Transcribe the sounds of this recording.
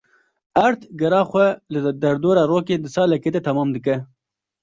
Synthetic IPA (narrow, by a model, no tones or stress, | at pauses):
aɾt̪ɡaɾɑːxwalad̪aɾd̪oɾaɾoked̪əsɑːlaket̪at̪amɑːmd̪əkə